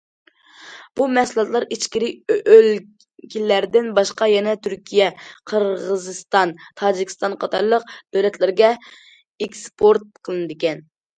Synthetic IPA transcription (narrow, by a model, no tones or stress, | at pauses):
b̥umɛslˠɑt̪lˠɑɾit͡ʃkʲiɾɪøl | kʲʰilːæɾd̪ɪnbɑʃqɑjɛnɛt̪ʰyɾkʲʰijɛqʰəɾʁəzɨst̪ɑnt̪ʰɑːd͡ʒikʲʰist̪ɑnqʰɑt̪ʰɑɾlˠəq̚d̪̥ølɛt̪ʰlɪɾɡʲɛ | ekspʰoɾt̪̚qʰəlˠɨnɨd̪ɪkʲɛn